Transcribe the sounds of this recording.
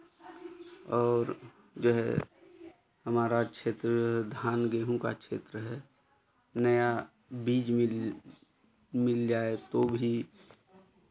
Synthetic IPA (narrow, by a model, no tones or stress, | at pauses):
ɔːɾ | d͡ʒoːɦɛ̰ | ɦəmaːɾakʃʰeːt̪ɾəd͡ʒoːɦɛd̪ʱaːnɡeːɦũka̰kʃʰḛːt̪ɾəɦɛ | nəja | biːd͡ʒmɪ | mɪld͡ʒaːet̪obʱi